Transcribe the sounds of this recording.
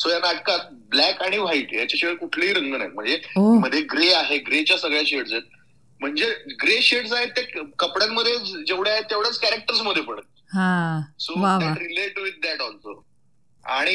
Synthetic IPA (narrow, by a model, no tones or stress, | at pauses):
sojanaʈ̚kat̪̚blækaɽ̃iʋ̤aiʈːjat͡ɕaɕeʈkuʈʰliːɾəŋɡənajt̪m̤əɳd͡zeom̤əd̪ʱjeɡɾeaɦeɡɾet͡ɕjasəɡɭjaɕeʈsaet̪̚ | m̤əɳd͡zeɡɾeɕeʈsaɦet̪ːekəpɽanməd̪ʱːjed͡ʑeʋɽjaɦet̪ːeʋɽjat͡skæɾek̚ʈəɾs̬məd̪ʱjepəɳət̪̚ː | ɦãsoʋaaʈɾileʈʋit̪̚ːɛʈɔlso̰ | a̰ɽ̃i